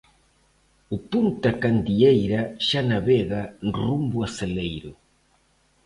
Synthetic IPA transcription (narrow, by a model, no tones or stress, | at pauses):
upunt̪akand̪iejɾaʃanaβɛɣanrumbuaselejɾʊ